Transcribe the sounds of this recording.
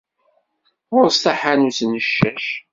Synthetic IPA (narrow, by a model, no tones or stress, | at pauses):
ʊɾstaħanusnəʃːæʃ